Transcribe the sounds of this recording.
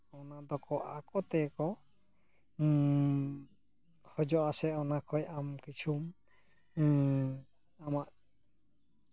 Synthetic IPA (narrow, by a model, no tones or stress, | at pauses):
ɔnad̪ɔkɔʔakɔt̪ɛkɔ | hɔd͡ʒɔʔasɛɔnakʰɔjamkit͡ʃʰum | amaʔ